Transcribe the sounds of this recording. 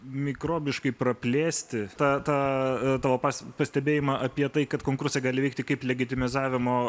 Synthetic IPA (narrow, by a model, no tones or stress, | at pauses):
mʲɪkɾoːbʲɪʃkɐɪpɾɐpʲlʲeːsʲt̪ʲɪt̪ɑːt̪ɑːt̪ɑːʋoːpɑːsʲpɐsʲt̪ʲɛbʲeːjɪmɑʔɐpʲiɛt̪ɐɪkɐt̪koːŋkʊɾsʲɛɡɑːlʲɪʋʲɛɪkt̪ʲɪkɐɪplʲɛɡʲɪt̪ʲɪmʲɪzɑːʋʲɪmoː